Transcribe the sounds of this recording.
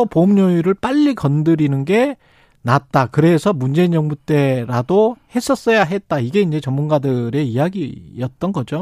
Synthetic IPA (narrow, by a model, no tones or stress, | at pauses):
ʌpomɲojuɾɯɭp͈aʎːikʌndɯɾinɯnɡe̞ | nat̚t͈akɯɾe̞sʰʌmund͡ʑe̞iɲjʌŋbut͈e̞ɾadohe̞s͈ʰʌs͈ʌjaɦe̞t̚t͈aiɡe̞ind͡ʑe̞t͡ɕʌmunɡadɯɾe̞ijaɡijʌt̚t͈ʌnɡʌd͡ʑo